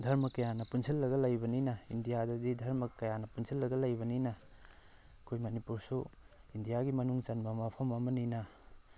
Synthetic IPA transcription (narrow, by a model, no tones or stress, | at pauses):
dʱɐɾmɐkːɐjanɐpunsʰilːɐɡɐlɐjbɐninɐindijadɐdidʱɐɾmɐkːɐjanɐpunsʰilːɐɡɐlɐjbɐninɐ | kʰojmɐnipuɾsu | indijaɡimɐnuŋt͡ʃɐnbɐmɐpʰɐmɐmɐninɐ